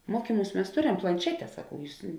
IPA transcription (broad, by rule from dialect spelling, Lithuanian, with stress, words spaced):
ˈmuɔkʲiːˌmuːs mʲɛs ˈtoːˌrʲɛm plˠɐnʲˈʃʲæːtʲɛ sɐˈkɐʊ ˈjuːs